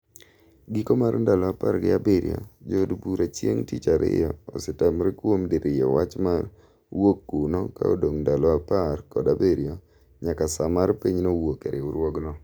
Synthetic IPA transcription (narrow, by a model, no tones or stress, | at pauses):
ɡikomaɾndalɔaparɡɪ̰a̰beɾijɔ̰d͡ʒodbuɾat͡ʃjeŋtit͡ʃaɾɪ̰jɔːsɪtamɾekwomdiɾɪjɛ̰wat͡ʃmar | wokːunɔka̰o̰doŋndalɔaparkɔdabeɾijɔ | ɲakasamaɾpiɲnowokeɾɪʊɾwɔɡnɔ